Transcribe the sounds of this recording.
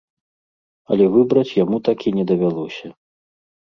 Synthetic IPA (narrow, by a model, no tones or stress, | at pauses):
ɐ̰lʲɛvɨbɾɐt͡sʲjamut̪akʲinʲɛd̪ɐvʲalˠɔsʲɐ